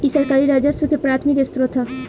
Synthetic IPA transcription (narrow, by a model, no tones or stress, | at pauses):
isəɾkaːɾiɾad͡ʒasʋəkepɾaːt̪ʰmikest̪ɾot̪ʰə